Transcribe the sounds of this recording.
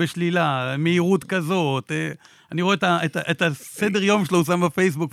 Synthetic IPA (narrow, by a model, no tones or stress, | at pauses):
eʃlilameiʁut̪kazo̞t̪e | aniʁoet̪aetaʔet̪ased̪eʁ̞jo̞mʃelohus̬ambafejs̬buk